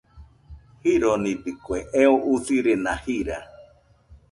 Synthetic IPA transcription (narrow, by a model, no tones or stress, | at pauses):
hiɾonĩd̪ikweʔeoʔusiɾenahiɾa̰